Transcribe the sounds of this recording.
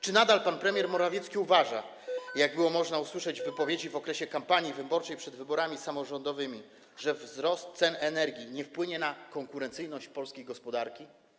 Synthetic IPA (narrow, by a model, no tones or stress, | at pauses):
t͡ʂɘnad̪alpanpɾɛmʲjɛɾmɔɾavʲjet̪skʲiuvaʐa | jaɡ̚bɘwɔmɔʐnauswɘʂɛd͡ʑvɘpɔvʲjed͡ʑivɔkɾɛɕɛkampaɲivɘbɔɾt͡ʂɛjpʂɛd̪vɘbɔɾamʲisamɔʐɔnd̪ɔvɘmʲi | ʐɛvzɾɔst̪t̪sɛnɛnɛɾɡʲiɲɛfpwɘɲɛnakɔŋkuɾɛnt̪sɘjnɔɕt͡ɕpɔlskʲejɡɔspɔd̪aɾkʲi